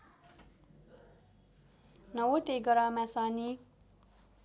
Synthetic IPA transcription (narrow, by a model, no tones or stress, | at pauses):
nʌwot̪eɡʌɾamasaːni